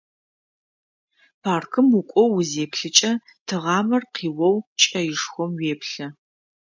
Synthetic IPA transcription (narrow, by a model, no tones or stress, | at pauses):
pʰaːrkʰɨmukʷʼɔwːʊzeːpɬɨt͡ʃʼɐ | tʰɨʁɑːmɐrqiːwɔwt͡ʃʼɐjɪʂxʷɔmweːpɬɐ